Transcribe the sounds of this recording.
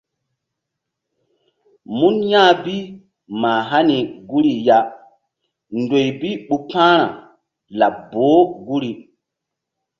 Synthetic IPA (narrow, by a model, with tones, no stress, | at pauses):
mu˦njã˦bi˦ | ma˨ɦa˦ni˨ɡu˦ɾi˨ja˦ | ndo˨jbi˦ɓu˨pãː˦ɾa̰˨ | la˨bːo˨˦ɡu˦ɾi˨